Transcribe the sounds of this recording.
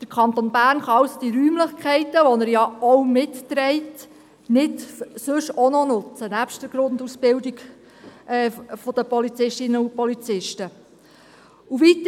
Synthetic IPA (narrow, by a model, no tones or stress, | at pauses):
d̥əɾkʰɑnt̪onbæːɾnχɑɑwsod̥iɾyːmlɪχkχɛɪtəʋɔnæɾjɑɔwmɪtːɾɛɪt | nɪtsɵʃɔnɔnʊt͡sənæpʃtəɾɡ̥ɾʊnd̪usb̥ɪwdiɡ | ɛːfɔd̥əpɔlit͡sɪʃtɪnəupɔlit͡sɪʃtə | uvit